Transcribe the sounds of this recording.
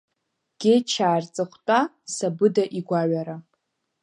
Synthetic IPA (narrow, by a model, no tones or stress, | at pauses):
ɡ̥ʲejt͡ʃʰaːrt͡sʼɨχʷtʼa | sabɨdaʔiɡʷaɥaɾa